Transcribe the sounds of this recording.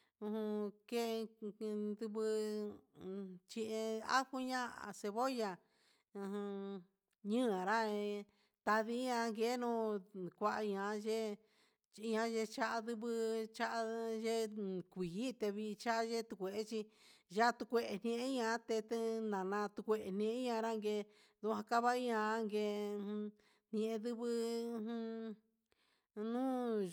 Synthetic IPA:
ũ˧hũ˧ke˦˧ | d̪u˧βɨ˧ | t͡ʃĩ˧ʔẽ˧a̰˦hu˦ɲã˦a̰˨se˧βo˦ja˧ | ũ˧ɦũ˧ | ɲɨ̃˦ã˨ɾa˦˧ | t̪a˧ði˧˦ɲã˧ŋɡe˨˦nũ˦kʷa˧ʔa˧ɲã˧˦ʒe˦˧ | ɲã˧ʒe˧t͡ʃa˦ʔa˧d̪ɨ˧βɨ˧t͡ʃa˦ʔa˧ʒe˦kʷi˨i˦t̪e˧βi˧t͡ʃa˦a˦ʒe˦t̪u˧kʷe˨ʔe˦t͡ʃi˧ʒa˦˧t̪u˧kʷe˧ʔe˧nĩ˧ʔẽ˦ɲã˧˦t̪e˧t̪nã˨nã˧t̪u˧kʷe˧ʔe˨nẽ˧˦ɲã˧ɾa˦ŋɡe˧ | ðu˧hã˧ka˦βa˦i˦ɲã˧a˦ŋɡẽ˧ | n̥ẽ˧ʔẽ˧ðɨ˦βɨ̃˦˧ | nũː˦

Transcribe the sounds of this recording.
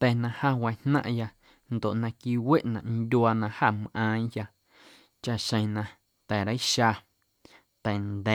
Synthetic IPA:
t̪ɛ˨nã˧hã˦wã˧˨hnã̰˦ʔja˧ | nd̪o˨ʔnã˧kiː˧we˦ʔnã̰˨ʔnd̪ʲu˧˦a˧nã˧ha˦˨m˨ʔãː˧˦ja˧ | t͡ʃa˦˧ʔʃə̃˧j̃nã˧ | t̪ɛː˨ɾa˦i˦ʃa˧˨ | t̪ɛ˨nd̪ɛ˨

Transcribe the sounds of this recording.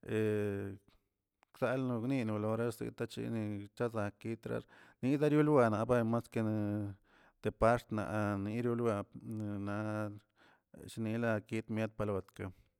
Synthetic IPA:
e˨ | ksa˧lnu˧ɡni˧nu˨lo˨ɾa˦sḭ˧kt̪a˦t͡ʃḭ˧ni˧t͡ʃa˦za˨ki˦t̪ɾa̰˧ɾni˦za˦ɾju˦lwa˧na˨ba˦ma˦ske˧n˧ | d̪̥e˨pa˦ɾt̪na̰˨ʔni˧˦ɾju˦lwa˧n˧na˨˧ | ʃi˧ni˧la˧ki˦t̪mje˦d̪̚pa˧la˨˧t̪ka˧

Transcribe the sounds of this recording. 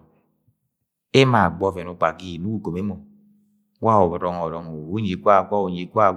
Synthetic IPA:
e˦ma˨ɡ͡bɔ˧˨vɛ˨nu˨˧˨k͡pa˨ɡi˦˨nu˨˦u˦˨ɡo˨me˨˦mo˨˦ | wa˦˨ɔ˨ɾɔ˨ŋɔ˨ɾɔ˨ŋo˨u˦ɲe˨˦kʷa˦˨kɔ˦o˨ɲi˨˦kʷa˦˨

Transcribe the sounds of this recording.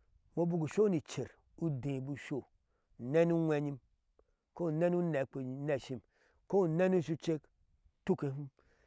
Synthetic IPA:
mo˦bu˦ɡu˨ʃo˦ni˨t͡ʃe˨ɾ | u˦dẽ˨bu˨ʃo˦˨ | nɛ˦nu˦ŋʷɛ˦ɲi˦m | ko˦˨nɛ˦nu˦nɛ˨k͡pe˨˦nɛ˨ʃi˦m | ko˦˨nɛ˦nu˦ʃu˦t͡ʃe˦k | tu˦ke˨ɦu˦m

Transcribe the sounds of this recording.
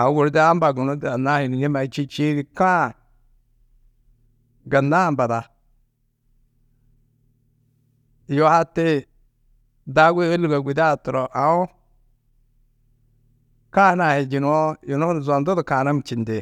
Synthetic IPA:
a˨˦ɡu˨ɾdi˦a˦mba˨ɡu˨no˦da˨na˦hi˨n˨je˦ma˨˦t͡ʃi˦t͡ʃi˦ɡi˦ka˦˨ | ɡa˨nːa˦˨mba˨da˨ | jo˦ha˦te˦ | da˦ɡe˦e˦lu˨ɡa˨ɡʷi˨da˦˨tɔ˨ɾɔ˨ʔa˨o˦ | ka˦na˨he˨d͡ʒi˨n˦ɔ˦ji˨no˦˨za˨ndo˦dʊ˨ka˨na˦m˨t͡ʃi˨nde˨

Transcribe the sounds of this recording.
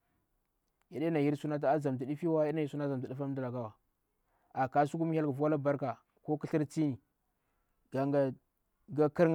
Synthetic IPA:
ja˨ɗe˦na˨ji˦ɾsu˦na˦t̬a˦a˦za˨m˨t̬i˨ɗi˦fi˦wa˦a˦a˨ji˦su˦na˦˨za˨m˨ta˨ɗi˦fa˦m˦da˨la˨ɡa˦wa˨ | a˨ka˦su˦ku˦m˦a˦lɡa˨vu˦wa˦la˦ba˦ɾka˨ | ko˦ki˦ɬi˦ɾt͡si˦ni˨ | ɡa˨ɡa˦ | ɡa˦ki˦ɾŋ

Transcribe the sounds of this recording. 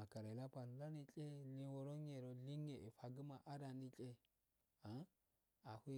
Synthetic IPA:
a˨ka˨ɾa˨la˦pa˨n˨da˦ni˨kʼe˦li˦wo˨ɾo˦ɲe˨ɾo˨li˦ŋe˨ʔi˨fa˨ɡə˦ma˨ʔa˦ɾa˨ni˦kʼe˦ | a˨˦ | a˨hi˦

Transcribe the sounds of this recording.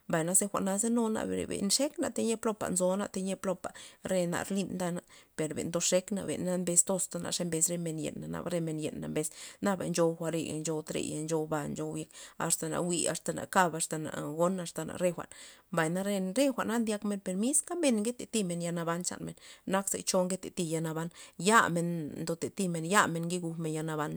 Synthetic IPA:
mba˨jna˧se˧xʷa̰˨ʔna˧ze˦no˧na̰˧bɾḛ˨bḛ˨nʂe˦kna˨t̪e˧ɲe˦plo˧pa̰˨nzo˧na̰˧t̪e˧ɲe˧plo˧pa˨ɾe˧na̰˨ɾli˧nd̪a˧na˧pe˨ɾbḛ˨nd̪o˧ʂe˦kna̰˧bḛ˨nːa˦˧˦mbe˧st̪o˧st̪a˧na̰˨ʂe˧˦mbe˧sɾe˧me˧njḛ˨nːa˨na̰˧bɾe˧me˧njḛ˨nːa˨mbe˧sna˦ba̰˨nt͡ʃo˧wxʷa˧ɾḛ˧ja̰˨nd͡ʒo˧wt̪ɾḛ˧˨ja̰˧nd͡ʒo˧wba˧nt͡ʃo˧wje˧ka̰˨st̪a˨na̰˨wi˧a̰˧st̪a˧na̰˨ka˦˧ba˧st̪a˨na̰˨ɡo˦na˧st̪a˨na̰˨ɾe˦˧xʷa̰˨ʔnmba˨jna˧ɾe˧ɾe˦xʷa˨ʔnːa˦nd̪ja˦kme˧npe˧ɾmi˦ska˦be˧nŋɡe˦t̪e˨t̪i˦me˧nja˧na˧ba˧nt͡ʃa̰˨nme˨nːa˦ksḛ˨t͡ʃo˦ŋɡe˦t̪e˨t̪i˧ja˧na˧ba˧˦nja˦me˧nnd̪o˧t̪e˨t̪i˦me˧˨nja˦me˧nŋɡi˦ɡu˧me˧nja˧na˧ba˦n

